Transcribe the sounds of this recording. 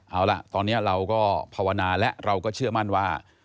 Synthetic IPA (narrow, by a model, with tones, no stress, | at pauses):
ʔaː˧˩wla̰˧˩ʔt̪ɔː˧nːi˦˥ɐɾa˧wkɔː˥˩pʰaː˧wa˧naː˧lɛ˦˥ʔɾa˧wkɔː˥˩t͡ɕʰɯ˥˩əma˥˩nwaː˥˩